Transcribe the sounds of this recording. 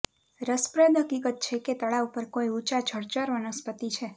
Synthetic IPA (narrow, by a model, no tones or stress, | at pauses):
ɾəspɾəd̪ɦəkikət̪̚t͡ʃʰeket̪əɭaupəɾkoiut͡ʃat͡ʃʰəɽt͡ʃəɾʋənəspət̪it͡ʃʰe